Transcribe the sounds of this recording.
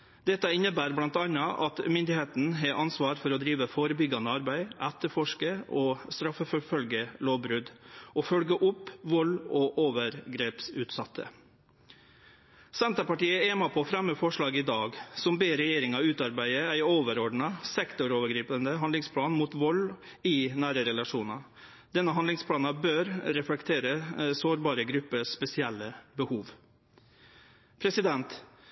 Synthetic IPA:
d̪ɛt̪ːəɪnːəbæːɾblɑnt̪ɑnːɑʔɑ̰t̪mʏnd̪ɪheːt̪n̩ɦɛɾʔɑnsʋɑːɾfɔɾɔd̪ɾiːʋəfoːɾəbʏɡɑnəɑɾbæɪʔæt̪ːəɾfɔʂkəɔːst̪ɾɑfəfɔfœlɡəloːʋbɾʉd̪ʔɔfœlɡəʔʊpːʋɔlɔʔoːʋəɾɡɾeːpsʉːt̪sɑt̪ʰːə̰ | sɛnt̪əpɑʈiːəeːmɑpʰɔɔfɾæmːəfɔʂɭɑːɡɪd̪ɑːɡsɔmbeːɾɛjeːɾɪŋɑʉːt̪ɑɾbæɪəæɪoːʋəɾɔɖɳ̩ɑsɛkt̪ʊɾoːʋəɡɾiːpənd̪əɦɑnd̪lɪŋspʰlɑːnmuːt̪ʋɔlː | ɪnæːɾəɾɛlɑʂuːnɑ | d̪̥ɛnːəɦɑnd̪lɪŋspʰlɑːnɑbøːɾɾɛflɛkt̪ʰeːɾəsoːɾbɑːɾəɡɾʉpːəspɛsɪɛlːəbəhuːʋ | pʰɾɛsɪd̪ɛnt̪

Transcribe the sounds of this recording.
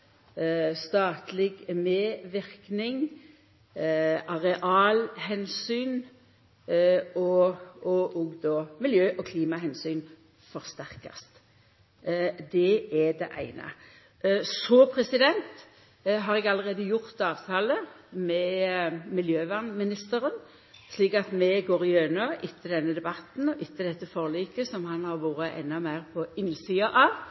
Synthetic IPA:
st̪ɑːt̪lɪɡmeːʋɪʁknɪŋ | ʔɑʁɛʔɑːlhɛnsyːn | ɔɔʔɔːɡd̪ɔːmɪljøːʔɔkʰliːmɑɦɛnsyːn | fɔʁst̪æʁkɑ̰st̪ | d̪ɛɛd̪ɛ̰ʔæ̰ɪnɑ̰ | sɔpʰɾɛsɪd̪ɛnt̪ | ɦɑːʁɛɡɑlːəʁeːd̪əjʊʁt̪ɑːʋt̪ʰɑːləmɛmɪljøːʋæːʁnmɪnɪst̪əɾən | sliːkɑt̪mɛɡoːɾɪjøːnɑʔɪt̪ʰːəd̪ɛnːəd̪ɛbɑt̪n̩ɔʔɪt̪ʰːəd̪ɛt̪ːəfɔʁliːkəsɔmhɑnhɑʁʋuːɾəʔɛ̰nːɑmæɪʁpʰɔɪnːsiːɑʔɑʋ

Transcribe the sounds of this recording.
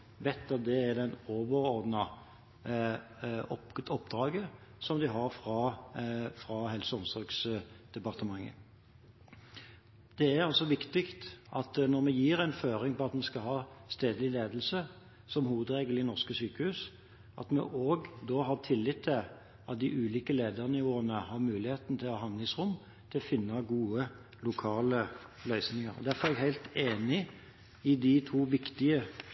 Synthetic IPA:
ʋɛt̪ːɑt̪̚d̪ɛæɾd̪ɛnoːʋəɾɔɾd̪nə | ɔɔpːd̪ɾɑːɡə | sɔmd̪ɪɦɑɾfɾɑ | fɾɑɦɛlsəɔmsɔɾksd̪̥ɛpɑʁt̪əmɑŋːə̰ | d̪̥ɛæɾɑlsɔʋɪkt̪ɪkt̪ʔɑt̪nɔɾmɛjiːɾæɪnføːɾɪŋpʰɔɑt̪mɛskɑɦɑːst̪eːd̪lɪleːd̪əlsə | sɔmɦuːəd̪ɾeːɡəlɪnɔʁʂkəsyːkəhʉːs | ʔɑ̰t̪mɛ̰ʔoːɡd̪oːɦɑɾt̪ʰɪlːɪt̪ʰːɪl | ɑt̪̚d̪ɪʔʉːliːkəleːd̪əɾnɪʋoːənəhɑɾmʉːlɪheːt̪nət̪ʰɪlɔɦɑnɪsɾʊmː | t̪ʰɪlɔfɪnːɑɡuːə | lʊkʰɑːləlœʏsnɪŋɑɾɔ̰d̪æɾfɔɾɛɡhæɪlt̪eːnɪ | ɪd̪ɪt̪ʰuːʋɪkt̪ɪə

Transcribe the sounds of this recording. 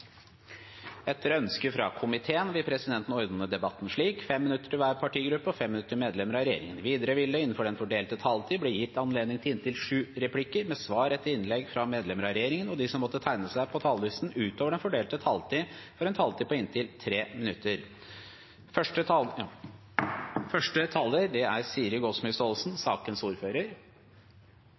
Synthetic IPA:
ɛt̪ʰːəɾœnskəfɾɑ̰kʰʊmɪt̪ʰeːənʋɪlpʰɾɛsɪd̪ɛnt̪n̩ɔɾd̪ɑnːəd̪ɛbɑt̪ːn̩ʂɭiːkfɛmːɪnʉt̪ːə̥ʈɪʋæːɾpʰɑʈʰiːɡɾʉpːəɔfɛmːɪnʉt̪ːəʈɪmeːd̪lɛməɾɑɾɛjḛːɾɪ̰ŋənʋiːd̪əɾəʋɪlːəɪn̩ːfɔɖɛnfɔɖeːlt̪ət̪ʰɑlt̪ʰiːblɛjɪt̪ːɑnleːd̪nɪŋt̪ɪlɪnt̪ʰɪlʂʉːɾɛpʰlɪkːəɾmɛsʋɑːɾɛt̪ːəɾɪnlɛɡfɾɑmeːd̪lɛməɾɑɾɛjeːɾɪŋənɔd̪ɪsɔmːɔt̪ːət̪ʰæɪnəsæɪpʰɔt̪ʰɑːlʋɪsn̩ʉːt̪oːʋəɖɛnfɔɖeːlt̪ət̪ʰɑlt̪iːfɔɾɛnt̪ʰɑlt̪iːpɔɪnt̪ɪlt̪ʰɾeːmɪnʉt̪ʰːəɾ | fœʂʈə | fœʂʈət̪ʰɑlːəɾd̪ɛæɾsiːəɾəɡɔsmʏst̪oːlsnsɑːkənsuːɾføːɾəɾ

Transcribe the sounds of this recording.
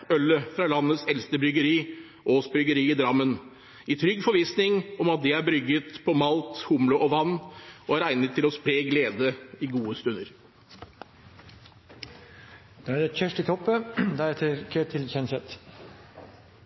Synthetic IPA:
œlːəfɾɑlɑnːət̪sɛlst̪əbɾʏɡəɾiː | ʔoːsbɾʏɡəɾiːɪd̪ɾɑmːən | ɪt̪ʰɾʏɡːfɔɾʋiːsnɪŋɔmɑt̪̚d̪ɛæɾbɾʏɡːət̪pʰɔmɑlt̪hʊmlʊʔɔʋɑnːɔæɾæɪnət̪ʰːɪlɔspɾeːɡleːd̪əɪɡuːəst̪ʉnːəɾ | d̪̥ɛæɾɛçœʂʈɪt̪ʰɔpːəd̪ɑɛt̪əkʰet̪ʰɪlçɛnsɛt̪

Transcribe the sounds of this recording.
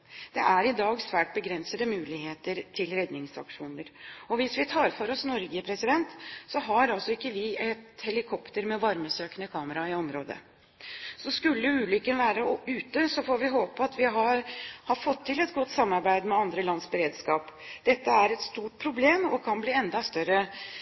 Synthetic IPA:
d̪̥ɛʔæɾɪd̪ɑːɡsʋæːʈ̚bəɡɾɛnsəd̪əmʉːlɪheːt̪əɾt̪ʰɪlɾɛd̪nɪŋsɑ̰kʂuːnəɾɔʋɪsʋɪt̪ʰɑːɾfɔɾɔsnɔɾɡəpʰɾɛsɪd̪ɛnt̪sɔɦɑɾɑlsɔɪkːəʋɪɛt̪hɛlɪkʰɔpt̪əɾmɛʋɑɾməsøːknəkʰɑːməɾɑɪɔmɾoːd̪ə̰ | sɔskʉlːəʉːlʏkːənʋæːɾəʉːt̪əsɔfoːɾʋɪɦoːpəɑt̪ʋɪɦɑɾhɑɾfɔt̪ʰːɪlɛt̪ɡɔt̪ːsɑmːɑɾbæɪd̪mɛɑnd̪ɾəlɑnsbəɾeːd̪skɑːpd̪̥ɛt̪ːəæɾɛt̪st̪uːʈ̚pʰɾʊbleːmɔkʰɑnbliːɛnd̪ɑst̪œɾːə

